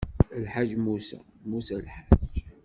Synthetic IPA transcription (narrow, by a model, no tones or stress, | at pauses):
lħaʒːmusæ̰ | musælħaʒ